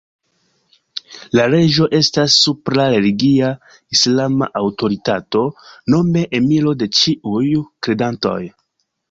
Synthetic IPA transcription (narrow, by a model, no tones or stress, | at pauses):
laɾe̞d͡ʒo̞ʔe̞stasːupɾaɾe̞liɡia | islama̰ʔawto̞ɾitato̞no̞me̞ʔemilo̞de̞t͡ʃiʔujkɾe̞danto̞̰j